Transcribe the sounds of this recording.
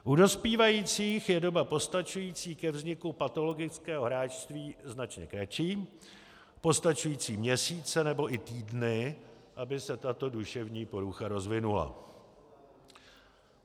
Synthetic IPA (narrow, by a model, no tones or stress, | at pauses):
ʔudo̞spiːvajiːt͡siːxjɛdo̞bapo̞st̪at͡ʃujiːt͡siːkɛvzɲɪkupat̪o̞lo̞ɡɪt͡skɛːɦo̞ɦɾaːt͡ʃst̪viːznat͡ʃɲɛkɾat͡ʃiː | po̞st̪at͡ʃujiːt͡siːmɲɛsiːt͡sɛnɛbo̞ʔɪt̪iːdnɪʔabɪsɛt̪at̪o̞duʃɛvɲiːpo̞ɾuxaɾo̞zvɪnula̰